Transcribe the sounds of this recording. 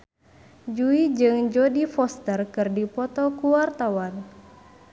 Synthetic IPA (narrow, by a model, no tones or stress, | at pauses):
d͡ʒuid͡ʒɨŋd͡ʒɔdifɔst̪ərkɨrdipɔt̪ɔkuwart̪awan